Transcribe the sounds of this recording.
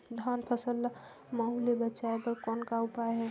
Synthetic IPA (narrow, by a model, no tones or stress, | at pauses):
d̪ʱanpʰəsəl | məɦulebət͡ʃaepəɾkɔːnkaupajɦɛ